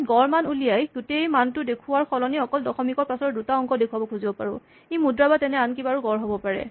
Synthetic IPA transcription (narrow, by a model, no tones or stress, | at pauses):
ɡɔɹmanulijajɡutejmantʊdekʰʊwaɹxʰɔlɔniɔkɔldɔxɔmikɔɹpasɔɹdutaɔŋkɔdekʰuwabɔkʰuzibɔpaɹʊ̰̃ | ejmudɹabatɛnɛank̬ibaɹuɡɔɹɦobɔpaɹɛ̰